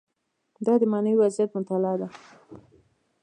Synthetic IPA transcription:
d̪ɑd̪əmɑnawiwazijat̪mʊt̪alɑd̪a

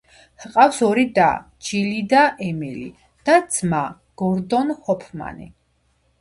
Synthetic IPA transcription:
hqʼafsɔɾid̪a̰ | d͡ʒilid̪aʔɛmilḭ | d̪̥ad̪zma | ɡ̥ɔɾd̪ɔnhɔpʰma̰nḭ

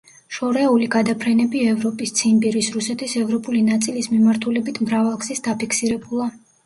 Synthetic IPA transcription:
ʃɔɾɛuliɡad̪apʰɾɛnɛbiɛvɾɔpʼist̪sʰimbiɾisɾusɛt̪ʰisɛvɾɔpʼulinat̪sʼilismimaɾt̪ʰulɛbit̪ʰmɾavalˠksisd̪apikʰsiɾɛbulˠa

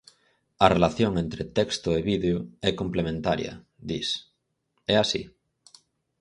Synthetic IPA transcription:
arelaθjoŋẽnt̪ɾet̪ekst̪oeβiðeoɛkõmplemẽnt̪aɾjɐ̰ | ðis | ɛasḭ

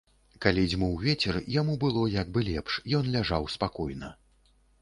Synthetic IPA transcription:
kalʲid͡zʲmɔwvʲɛt͡sʲɛrjamubɨlˠɔjaɡ̚bɨlʲɛpʂjɔnlʲaʐawspakɔjnɐ

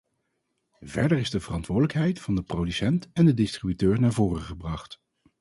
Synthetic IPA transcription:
vɛ̰ɹdəɹɪzdəvərɑntʋʊːdələkɦɛjtfɑndəprowdysɛntɛndədɪstribytøːɹnaːɹvʊːrəχəbrɑχt

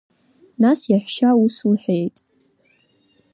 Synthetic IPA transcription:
nasjaħʷʃausulħʷejtʼ

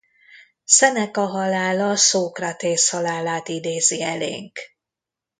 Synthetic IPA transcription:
sɛnɛkɒɦɒlaːlɒsoːkrat̪eːshɒlaːlaːt̪id̪eːziɛlḛːŋk

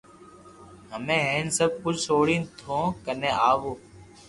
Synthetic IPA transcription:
ɦəmẽːɦeːnsəb̚kʊt͡ʃʰsoːɽĩːt̪ʰõːkənẽːʔaːʋoː

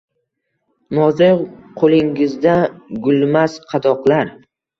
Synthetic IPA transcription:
nɒzɪqʰolɪŋɪzd̪aɡʊlmasqʰɑd̪ɒqlˠaɾ

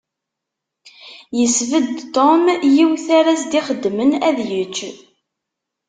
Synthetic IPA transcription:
jəsvəd̪t̪omjiwθaɾæsd̪iχəd̪ːmənæðjət͡ʃː

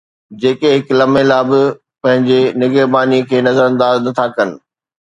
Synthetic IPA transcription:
d͡ʑeːkeɦɪklɐmelaːbɪ | pɐ̃ɦɪ̃ɲd͡ʑenɪɡəɾbaːnikʰeːnɐzəɾɐ̃nd̪aːznɐt̪ʰakɐnɪ̆

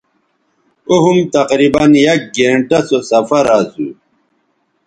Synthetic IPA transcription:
oɦumt̪ɐqɾibɐnjɐk̚ɡeɳʈɐsosɐfɐɾazu

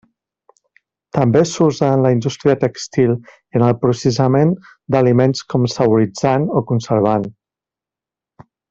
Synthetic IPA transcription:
t̪əmbesuzəənləind̪ust̪ɾiət̪əkst̪ilˠ | iənəlˠpɾusəsəmen | d̪əlimenskɔmsəβuɾid͡zanokunsəɾβ̞an

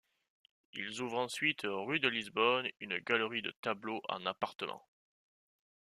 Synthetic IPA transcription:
ḭlzuvʁɑ̃sɥit̪ʰʁyd̪əlizbɔnynəɡaləʁid̪ə̰t̪abloʔɑ̰̃napaʁt̪əmɑ̰̃

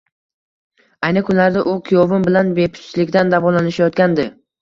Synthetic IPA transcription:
ajnɪkʰʊnlaɾd̪aʔʊkʲʰijɒvɪmbɪlanbe̞pʰʊ̥t͡ʃt͡ʃlɪkʲd̪and̪avɒlanɪʃajɒt̪kʲand̪ɪ

